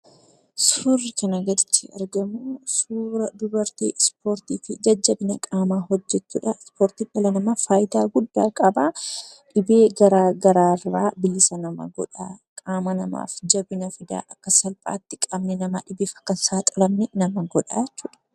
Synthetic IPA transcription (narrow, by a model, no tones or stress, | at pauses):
sfʊrɪkɐnɐɡɐd̪ɪt͡ʃːɪɐ̰ɾɡɐmuːsuːɾɐd̪ʊbɐɾt̪ḛːspʰoːɾt̪iːfɪd͡ʒɐd͡ʒːɐbɪnɐkʼaːmaːhɔd͡ʒːɛt͡ʃːṵːᶑɐspoːɾt̪iᶑɐlɐnɐmafaːjd̪aːɡʊd̪ːaːkʼɐbaːᶑɪbeːɡɐɾaːɡɐɾaːrːaːbɪlɪsɐnɐmɐ̰ɡɔ̰ᶑaːkʼaːmɐnɐma̰ːfd͡ʒɐbɪnɐfɪd̪a̰ːʔɐkːɐsɐlpʼa̰ːt̪ːɪkʼɐbnɛnɐmaᶑɪbeːfɐ̥kːɐnsaːt̪ʼɪlɐmnɛnɐmɐɡɔᶑa̰ːjt͡ʃːuːᶑɐ̥